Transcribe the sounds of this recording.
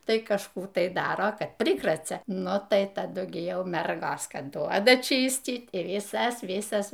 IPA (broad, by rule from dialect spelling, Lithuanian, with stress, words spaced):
ˈtɐɪ kɐʃˈkuː tɐɪ ˈdɑːroː ˈkɐt ˈpʲrʲɪkrɐt͡sʲɛ ˈnʊ tɐɪ tɐˈdʊ ɡʲɪ ˈjɛʊ ˈmʲɛrɡoːs ˈkɐt ˈduɔdɐ ˈt͡ʃʲiːsʲtʲiːt ɪ ʋʲɪˈsɐs ˈʋʲɪsɐs